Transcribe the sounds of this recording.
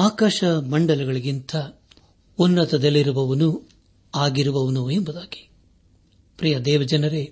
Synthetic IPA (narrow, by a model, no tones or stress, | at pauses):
aːkaːʃɐmɐɳɖɐlɐɡɐɭiɡint̪ʰɐ | unːɐt̪ɐd̪ɐlːiɾuʋɐʋɐnu | aːɡiɾuʋɐʋɐnuembud̪aːɡ̥i̥ | pɾijɐd̪ɛːʋɐd͡ʒɐnɐɾe